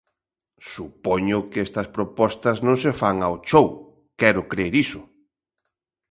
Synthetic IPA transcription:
supoɲʊkɛst̪ɐspɾopɔst̪ɐznõŋsefaŋaot͡ʃow | kɛɾʊkɾeɾisʊ̥

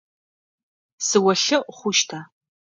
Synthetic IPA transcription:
sɨwɐɬɨʔχʷʊʃtʰaː

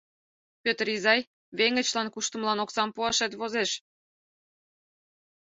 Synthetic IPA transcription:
pʲøt̪rɾizɑj | βeŋə̆t͡ɕlɑnkuʃt̪əmlɑnoksɑmpuɑʃet̪βozeʃ

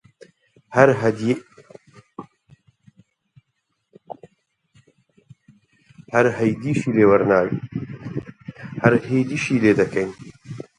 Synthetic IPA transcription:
hɐɾɦd̪ | hɐɾɦɐjd̪iːʃiːleːwɐɾnaːw | hɐɾheːd̪iʃiːleːd̪ɐkʰɐjn

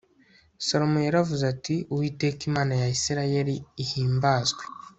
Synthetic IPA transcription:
so̞ɾomujaɾavuzatiuwiːte̞ːkimaːnajaisiɾaje̞ɾiːhiːmbaːzɡwe

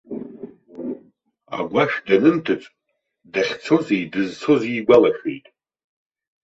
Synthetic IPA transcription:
a̰ɡʷaʂdanɨntʰɨt͡sʼ | daχʲt͡sʰo̞zijdɨzt͡sʰo̞ziːɡʷalaʃḛjtʼ

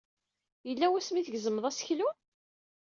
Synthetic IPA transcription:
jəlːæwæsmiθəɡzəməðˤæsə̥çlu

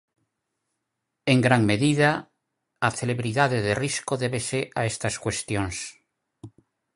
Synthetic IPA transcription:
eŋɡɾaŋmeðiðaː | θeleβɾiðaðeðeriskoðeβesea̰est̪askwest̪joŋs

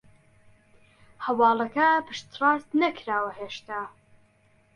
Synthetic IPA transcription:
hɐwɑːlˠɐkɐpɨʃt̪ʰrɑːst̪nɐkɾaːwɐheːʃt̪aː

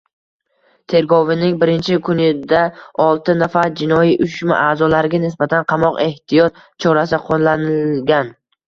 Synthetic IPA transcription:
t̪ʰe̞ɾɡɒvɪnɪŋbɪɾɪnt͡ʃʰɪkʰʊnɪd̪aɒlˠt̪ʰɪnafad͡ʒɪnɒjiʔʊʃma̰ʔaːzɒlaɾɪɡʲanɪsbat̪ʰanqʰɑmɒqe̞ht̪ʰijɒt̪̚ | t͡ʃʰɒɾasɪqʰonlanɪlɡʲan

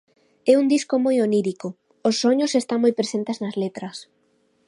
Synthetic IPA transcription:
ɛund̪iskomojoniɾiko | osːoɲosest̪aŋmojpɾesent̪eznɐzlet̪ɾɐs

